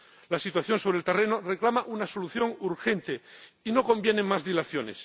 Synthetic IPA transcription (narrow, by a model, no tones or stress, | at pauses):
lasit̪waθjo̞nso̞β̞ɾelt̪e̞re̞noreklamaʔunaso̞luθjo̞ŋuɾxe̞nt̪eino̞ko̞mbjenemazðilaθjo̞nḛs